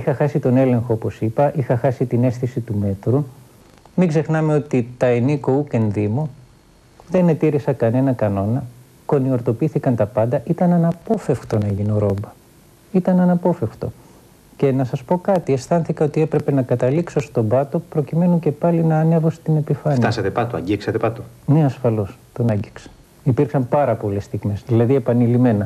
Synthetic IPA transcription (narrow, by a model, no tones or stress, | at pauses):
ixɐxɐsit̪o̞ne̞le̞ŋxoopo̞sipɐʔixɐxɐsit̪ine̞sθisit̪ume̞t̪ɾu | miɡze̞xnɐme̞o̞t̪it̪ɐeniko̞uke̞nðimu | ðe̞ne̞t̪iɾisɐkɐne̞nɐkɐno̞nɐ | ko̞nio̞ɾt̪o̞piiθikɐnt̪ɐpɐnd̪ɐʔit̪ɐnɐnɐpo̞fe̞fkt̪o̞nɐʝinoɾo̞mbɐ | it̪ɐnɐnɐpo̞fe̞ft̪o̞̰ | ce̞nɐsɐspo̞kɐt̪ie̞sθɐnθikɐo̞t̪ie̞pɾe̞pe̞nɐkɐt̪ɐliksost̪o̞bɐt̪o̞pɾo̞cime̞nuce̞pɐlinɐːne̞vost̪ine̞pifɐfnt̪ɐsɐt̪e̞pɐt̪oɐ̰ɟiksɐt̪epɐt̪oneɐsfɐlo̞st̪onɐɲɟiksɐ̥ | ipiɾksɐmpɐɾɐpo̞le̞st̪iɣme̞sðilɐðie̞pɐnilime̞nɐ